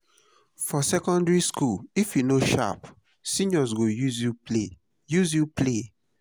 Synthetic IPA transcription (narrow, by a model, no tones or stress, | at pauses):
fɔsɛkɔ̃ndɹiskulifjunoʃa̰p | sĩnɔz̬ɡojuzjule | juzjupʰle